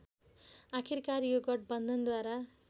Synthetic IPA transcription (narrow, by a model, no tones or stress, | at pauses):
akʰirkaɾijoɡʌʈ̚bʌnd̪ʱʌnd̪waɾa